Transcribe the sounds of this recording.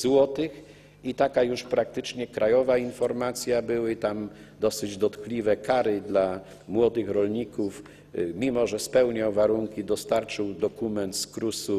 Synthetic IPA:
zwɔt̪ɘx | it̪akajuʂpɾak̚t̪ɘt͡ʂɲɛkɾʔajɔvainfɔɾmat̪sʲjabɘwɘt̪am | d̪ɔsɘd͡ʑd̪ɔt̪klʲivɛkaɾɘd̪la | mwɔd̪ɘxɾɔlɲikuf | mʲimɔʐɛspɛwɲawvaɾuŋkʲid̪ɔst̪aɾt͡ʂɘwd̪ɔkumɛnt̪skɾusu

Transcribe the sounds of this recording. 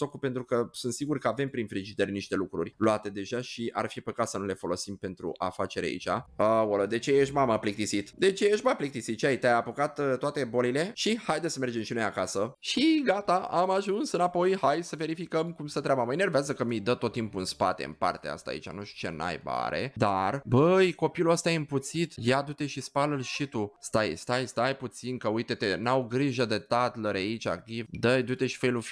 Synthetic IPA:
t̪okupe̞nt̪ɾukəsunt̪siɡurkəave̞mpɾinfɾid͡ʒid̪erʲniʃt̪e̞lukɾṵrʲluat̪e̞d̪e̞ʒaʃia̰rfipəkat̪sənule̞fo̞lo̞simpe̞nt̪ɾṵʔa̰fat͡ʃe̞ɾʲa̰ḭt͡ʃa̰əwoləd̪e̞t͡ʃejeʃ̬maməplik̚t̪isit̪d̪e̞t͡ʃejeʃt̪maplik̚t̪isit̪ʃiait̪eajapokat̪t̪ːoat̪e̞bo̞lile̞ʃihajd̪esəme̞rd͡ʒe̞mʃinojakasəʃiɡat̪aʔamaʒunsɨnapo̞jhajsəve̞ɾifikəmkumsət̪ɾʲeabəməjnerveazəkəmijd̪ət̪o̞t̪ːimpuɨnspa̰t̪e̞̰ɨ̰mpa̰rt̪ḛa̰st̪a̰ḭt͡ʃa̰nuʃt̪u̥t͡ʃe̞̰na̰jba̰ɾe̞̰d̪arbəjko̞piluəst̪ajɨmput̪sit̪jad̪ut̪e̞ʃispaləlʃit̪ust̪ajst̪ajst̪ajput̪sinkəujt̪e̞t̪enawɡɾiʒəd̪et̪at̪ləɾait͡ʃʲa̰ɡivd̪əjd̪ut̪e̞ʃi̥fejlu

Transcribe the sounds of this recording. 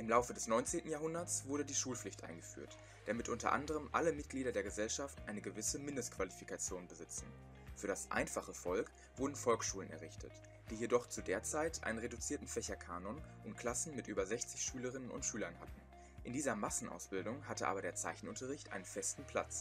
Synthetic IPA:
ʔɪmlaʊfədɛsnɔʏnt͡seːntn̩jaːɦʊndɐt͡sv̥ʊɐɾədiːʃuːlflɪçtʔa̰ɪnɡəfy̰ːɐt | d̥amɪtʔʊntɐ̰ʔa̰ndəʁ̞əmʔa̰ləmɪt̚ɡ̥liːdɐdeːɐɡəzɛlʃaftʔaɪnəɡəvɪsəmɪndəstkv̥alifikat͡sjoːnbəzɪt͡sn̩ | fyːɐdasʔa̰ɪnfaχəfɔlk | v̥ʊɐdn̩fɔlksʃuːlənɛ̰ɐʁ̞ɪçtʰə̰t | d̥iːjedɔχt͡sudeːɐt͡saɪtʔa̰ɪnənʁedut͡siːɐtn̩fɛçɐkʰaːnɔnʔʊntkl̥asn̩mɪtʔyːbɐzɛçt͡sɪçʃyːləʁ̞ɪnənʊ̰ntʃyːlɐnha̰tn̩ | ʔɪndiːzɐmasn̩ʔa̰ʊsb̥ɪldʊŋɦatəʔa̰ːbɐɾeːɐt͡saɪçn̩ʔʊntɐʁɪçtʔa̰ɪnənfɛstn̩pʰl̥a̰t͡s

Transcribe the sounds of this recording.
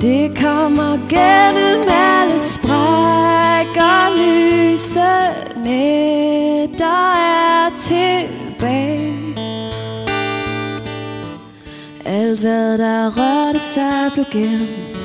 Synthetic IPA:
d̥e̝kʰɒmɐɡ̥enəmæləsb̥ʁa | ɡ̥ɐlysə | ne | d̥ɑæt͡sʰeb̥ɛ | ʔæld̥ʋæðˠdɑʁœɾəsɑɪb̥leɡ̥end̥

